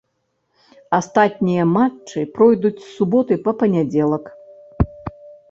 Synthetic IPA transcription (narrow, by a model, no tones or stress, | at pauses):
ast̪at̪̚ʲnʲijɐmat͡ʂːɨpɾɔjd̪ut͡sʲsːubɔt̪ɨpɐpɐnʲad͡zʲɛlˠɐk